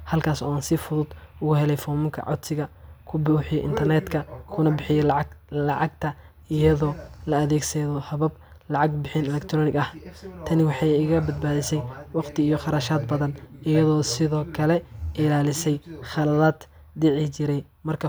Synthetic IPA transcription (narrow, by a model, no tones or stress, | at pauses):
hɐlkʰaːsɔ̰ːaːnsɪfʊðʊd̪ʊɣʊhɛlɛjfɔːmʊŋkʰɐ̰ʕɔ̰d̪sɪɣɐkʰʊbʊħɪjɔʔɪ̰nt̪ʰɐrnɛt̪kʰɐkʰʊnɐbɪħɪjɛlɑʕɑɡ̚t̪ʰɐ | ɪjɐðɔːlɐɐðɛːɡsɛðɔhɐβɐb | lɑʕɑɡbɪħɪnɛlɛkt̪ʰɾɔnɪɡɐht̪ʰɐnɪwɑħɑjɪɣɐbɐd̪̚baːðɪsɛjwɑqt̪ʰɪijɔχɑɾɐʃaːd̪bɐðɐnʔɪjɐðɔːsɪðɔːkʰɐlɛʔɪlaːlɪsɛjχɑlɐðaːd̪ | d̪ɪʕɪt͡ʃɪɾɛj | mɐrkʰɐ